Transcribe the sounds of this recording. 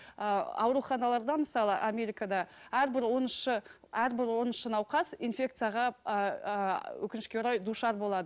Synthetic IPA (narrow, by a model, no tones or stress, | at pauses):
əɑ̰wɾuχɑnɑlˠɑɾd̪ɑməsɑlˠəʔamʲe̞ɾijkad̪ɑæɾbɪɾwo̞nəʃə | æɾbɪɾwo̞nəʃənɑwqɑsinfʲe̞k̚t̪sɨjaʁɑ | wɵ̰kʲɪnɪʃkʲe̞wɾɑjd̪uʃɑɾbo̞lˠɑd̪ə